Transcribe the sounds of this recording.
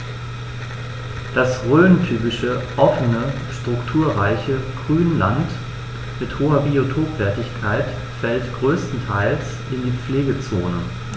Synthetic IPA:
d̥asʁøːntʰyːpɪʃəʔɔfən̩ə | ʃtʁ̥ʊktʰuːɐʁaɪçəɡ̥ʁyːnla̰nt | mɪthoːɐbiotʰoːpv̥ɛɐtɪçkʰaɪt | fɛltɡ̥ʁøːstn̩tʰaɪls | ʔɪndiːp͡fleːɡət͡soːnə

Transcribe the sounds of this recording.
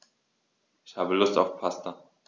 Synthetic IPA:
ʔɪçhaːbəlʊsta̰ʊfpʰastʰa

